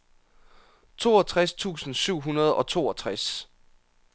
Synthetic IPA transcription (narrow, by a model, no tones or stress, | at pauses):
t͡sʰo̝ːɒt͡sʰʁast͡sʰṵːsn̩syʊ̰ɦunɐð̞ˠɒ̽t͡sʰo̝ːɒ̽t͡sʰʁas